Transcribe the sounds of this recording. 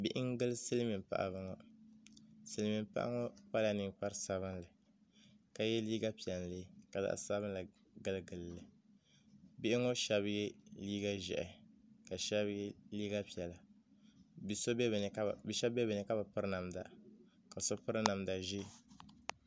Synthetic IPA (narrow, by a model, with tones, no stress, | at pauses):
bi˦ʔɪ˦ŋɡɨ˦lsɨ˦lmi˨pa̰˨ʔa̰˨bɨ˦ŋɔ˨ | sɨ˦lmi˨mpa̰˦ʔa̰˦ŋɔ˦pa˦la˨ni˨ŋk͡pa˦ɾsa˨βɨ˦nlɨ˨ | ka˨jɛ˦liː˦ɡa˦pi˨ɛ˨lle˦˨ka˨za̰˨ʔsaː˦βɨ˦nla˨ | ɡɨ˦lɨ˦ɡɨ˨llɨ˨ | bi˦ʔɪ˦ŋɔ˦ʃa˦bɪ˦ɡɪ˦liː˦ɡa˦ʒɛ̰˨ʔɛ˨ka˨ʃa˦bɡɪ˦liː˦ɡa˦pi˨ɛ˨la˨ | bi˨so˦˨n˨˦bi˨ʃɛ˦bɛ˦bɨ˨nɨ˨ka˦ba˨pɨ˦ɾɨ˦na˨mda̰˨ | ka˨so˦pɨ˦ɾɨ˦na˨mda˨ʒi˦